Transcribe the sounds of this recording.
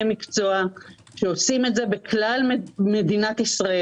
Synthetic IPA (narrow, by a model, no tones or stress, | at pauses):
emikt͡so̞a | ʃeosime̞tze̞bekʰlalmme̞d̪inat̪isʁaʔe